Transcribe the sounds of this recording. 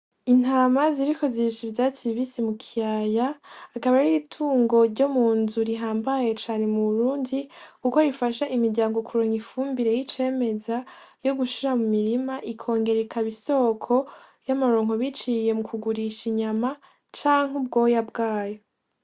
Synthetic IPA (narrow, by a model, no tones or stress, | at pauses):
in̥aːmaziɾiko̞ziʃivjaːtiβisimukʰijajaːkaβaɾiitʰuːŋɡo̞ɾɟo̞muːnzuɾiɦaːmbaje̞t͡ʃaːne̞muβuɾuːndikukoɾifaʃaʔimiɾɟaːŋɡo̞kuɾoːŋifuːmbiɾe̞jit͡ʃe̞ːme̞zajo̞ɡuʃiɾamumiɾimaʔikʰo̞ːŋɡe̞ɾekʰaβiso̞ːkʰo̞ | jamaɾoːŋɦo̞βit͡ʃiɾije̞mukuɡuɾiʃiɲama | t͡ʃaːŋ̥ubɡo̞ːjabɡaːjo